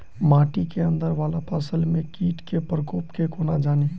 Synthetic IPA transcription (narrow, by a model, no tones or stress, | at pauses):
maːʈikeə̃nd̪əɾʋaːlapʰaːsəlmẽkiːʈkepɾəkoːpkekoːnad͡ʒaːni